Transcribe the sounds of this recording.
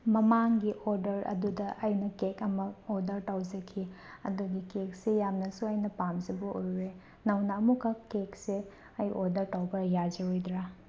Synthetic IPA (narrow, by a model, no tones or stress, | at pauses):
mɐmaŋɡiʔoɾdɐɾɐ̰dudɐʔɐjnɐkekɐmɐoɾdɐɾtawzɐkʰiɐ̰duɡikek̚sejamnɐsuɐjnɐpamzɐbɐʔojɾe | nɐwnɐːmukɐkek̚se | ɐjʔoɾdɐɾtawbɐɾjazeojdɾa